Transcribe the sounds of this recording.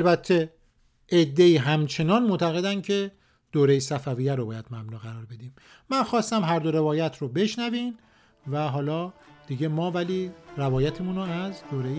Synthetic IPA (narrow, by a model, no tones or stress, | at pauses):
lbæt̪ʰːe | ed̪ːe̞iːɦæmt͡ʃʰe̞nɒːnmoʔt̪ʰæɣe̞d̪ænd̪cʰe̞ | d̪̥oːɾejesæfævijæɾobɒːjæd̪̥mæbnuːɣæɾɒːɾbe̞d̪iːm | mænxɒːst̪æmɦæɾd̪o̞ɾe̞vɒːjæt̪ʰɾobe̞ʃnæviːm | væɦɒːlɒːd̪̥iɟemɒːvæliːɾævɒːjæt̪ʰemunoæzd̪oːɾej